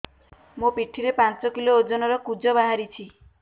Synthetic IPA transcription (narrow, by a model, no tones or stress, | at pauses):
mũpiʈʰiɾepant͡ʃɔkiloːd͡ʒɔnɔɾɔkud͡ʒɔbaɦaɾit͡ʃʰi